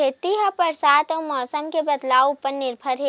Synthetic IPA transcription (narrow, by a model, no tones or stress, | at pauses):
eːt̪iɦɐpɐɾsaːt̪ɔːmɔːsəmkebɐd̪laːwʊpəɾnɪɾbʱəɾɦe